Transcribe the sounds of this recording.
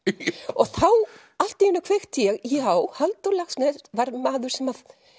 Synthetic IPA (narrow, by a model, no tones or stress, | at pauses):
ɔɣθaw | al̥t̪ɪʏnːakʰv̥ext̪ʰjɛɣjawhalt̪ɔlaxsnɛvaɾmaːðʏɾ̥sɛmað